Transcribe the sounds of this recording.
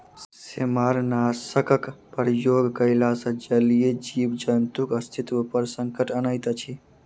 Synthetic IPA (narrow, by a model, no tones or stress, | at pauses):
semaɾnaːsəkəkpəɾjoːɡkəɪlasə̃d͡ʒəlijed͡ʒiːbd͡ʒənt̪ukəst̪ʰit̪əpəɾsə̃ŋkəʈənəjt̪ət͡ʃʰi